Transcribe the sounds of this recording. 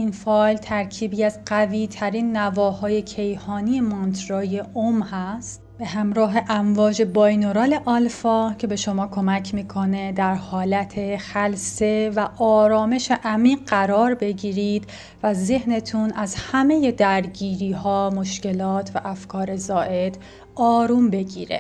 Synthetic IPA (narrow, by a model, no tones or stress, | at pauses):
infɒːjlt̪ʰæɾcʰiːbiæzɢæviːt̪ʰæɾiːnːævɒːhɒːje̞cʰe̞jhɒːnie̞mont̪ʰɾoːjeʔomhæst̪ | b̥e̞ɦæmɾɒːɦe̞ʔæɱvɒːd͡ʒe̞bɒjnoɾɒːle̞ʔɒlfɒːcʰe̞be̞ʃo̞mɒːkʰo̞mæcʰmiːkʰo̞ne̞d̪æɾhɒːlæt̪ʰe̞xælse̞væʔɒːɾɒːme̞ʃe̞ʔæmiːɢæɾɒːɾbe̞ɟiːɾiːd̪̥ | væze̞hne̞t̪ʰunʔæzhæme̞je̞d̪æɾɟiːɾiːhɒːmo̞ʃce̞lɒːt̪ʰvæʔæfkʰɒːɾe̞zɒːʔe̞d̪̥ | ɒːɾuːmbe̞ɟḭːɾḛ